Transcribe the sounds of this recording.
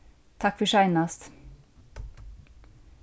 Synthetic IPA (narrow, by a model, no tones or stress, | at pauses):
t̪ʰɑkfœʃæɪnast̪